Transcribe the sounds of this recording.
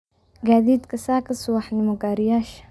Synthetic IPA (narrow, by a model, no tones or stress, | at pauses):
ɡaːðiːd̪kʰɐsaːkʰɐsʊwɑħnɪmɔɡaːɾɪjaːʃ